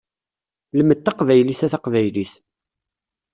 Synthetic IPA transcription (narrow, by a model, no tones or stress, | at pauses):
ləmət̪ːɑqvæjlisæθɑqvæjlis